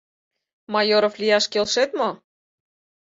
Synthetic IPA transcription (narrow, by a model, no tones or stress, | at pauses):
mɑjoɾoflʲijɑʃkelʃet̪mo